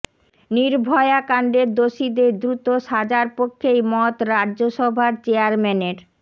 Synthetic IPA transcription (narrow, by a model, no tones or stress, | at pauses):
niɾbʱɔeakaɳɖeɾd̪oʃid̪eɾd̪ɾut̪oʃad͡ʑaɾpokʰːejmɔt̪ɾaʑoʃɔbʱaɾt͡ɕeaɾmɛneɾ